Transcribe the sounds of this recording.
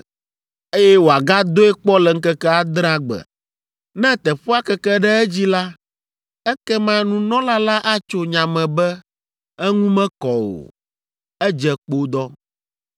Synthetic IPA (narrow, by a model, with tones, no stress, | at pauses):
e˦jɛ˦wo˨a˨ɡa˦d̪o˦ɛ˦k͡pɔ˦lɛ˨ŋ̩˦kɛ˦kɛ˦a˦d̪ɾ̃ã˦ɡ͡bɛ̰˨ | nɛ̃˦t̪ɛ˨ɸo˦a˦kɛ˦kɛ˦ɖɛ˦ɛ˦d͡ʑi˦la˦ | ɛ˦kɛ˦mã˦nũ˦nɔ̃˦la˦la˦ʔa˦t͡ʃo˦ɲã˨mɛ̃˨bɛ˦ | ɛ˦ŋũ˦mɛ̃˦kɔ˨o̰˨ | ɛ˦d͡ʒɛ˨k͡po˦d̪ɔ˦